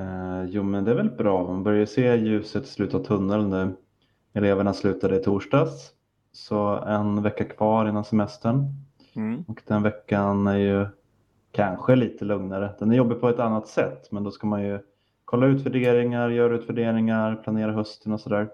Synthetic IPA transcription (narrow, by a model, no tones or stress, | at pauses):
juːmɛnd̪ɛæɾvɛlbɾɑːmanbœɾjaseːjʉ̟ːsət̪slʉ̟ːt̪avt̪ʰɵnːəlnæː | ɛleːvəɳaslʉ̟ːt̪ad̪əɪt̪ʰuːʂɖɑːs | sɔɛnvɛkːakʰv̥ɑːɾɪnːansɛmɛst̪əɳ | ɔkd̪̥ɛnvɛkːanæɾjɵ | kʰanɧəliːt̪ʰəlɵŋnaɾəd̪̥ɛnæɾjɔbːɪpʰɔɛt̪anːat̪sɛt̪ːmɛnd̪ɔskamanjɵ | kʰɔlːaʉ̟ːt̪væɖeːɾɪŋaɾjœːɾʉ̟ːt̪væɖeːɾɪŋaɾpʰlaneːɾaɦœst̪ənɔsɔd̪æːɾ